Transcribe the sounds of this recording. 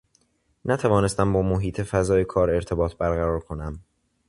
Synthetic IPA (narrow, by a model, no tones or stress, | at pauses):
næt̪ʰævɒːne̞st̪æmbɒːmoɦiːt̪ʰe̞fæzɒːjekʰɒːɾe̞ɾt̪ʰe̞bɒːt̪ʰbæɾɣæɾɒːɾkʰo̞næm